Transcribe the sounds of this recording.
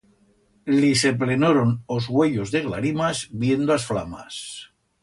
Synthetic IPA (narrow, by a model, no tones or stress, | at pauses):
lise̞p̬lenoɾonozɣwe̞ʎozðe̞ɣla̰ɾimazbje̞nd̪oasfla̰ma̰s